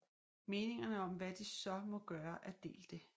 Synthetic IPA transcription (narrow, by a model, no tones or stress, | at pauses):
me̝ːne̝ŋɐnəɒ̽mʋæd̥isɒ̽mɒ̽ɡ̥ɶːɐʔæd̥e̝̰ːld̥e̝